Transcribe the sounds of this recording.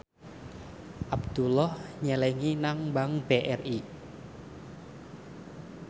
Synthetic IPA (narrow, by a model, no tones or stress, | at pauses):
ʔabd̪̥ulɔhɲɛlɛŋinaŋbaŋb̥eʔɛri